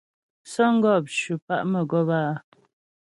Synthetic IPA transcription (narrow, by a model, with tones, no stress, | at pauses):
sə˦ŋ̩˦ɡɔ˦˨p̚ʃʉ˨pa˦ʔmə˨ɡɔ˦baː˦˨